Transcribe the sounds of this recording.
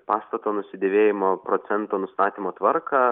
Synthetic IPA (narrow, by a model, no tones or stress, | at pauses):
pɑːst̪ɐt̪oːnʊsʲɪd̪ʲeːʋʲeːjɪmoːpɾoːt̪sʲɛnt̪oːnʊst̪ɑːt̪ʲiːmoːt̪ʋɐɾkɑː